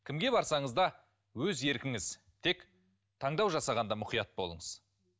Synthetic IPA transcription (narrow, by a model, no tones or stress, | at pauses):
kʲʰɪmɡʲe̞bɑɾsɑɴəzd̪ɑ | wɵze̞ɾkʲɪŋɪz̥ | t̪ʰe̞k | t̪ʰɑɴd̪ɑwʒɑsɑʁɑnd̪ɑmʊqijɑt̪̚bo̞lˠə̰ɴəz̥